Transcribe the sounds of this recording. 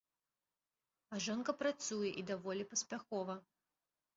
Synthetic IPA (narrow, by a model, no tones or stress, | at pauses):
ɐʐɔnkɐpɾat̪sujɛʔid̪avɔlʲipɐsʲpʲaxɔvɐ